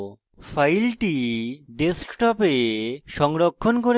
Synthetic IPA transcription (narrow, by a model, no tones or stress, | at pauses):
fʰajlʈiɖeskʈɔpeʃɔŋɾokʰːonkoɾe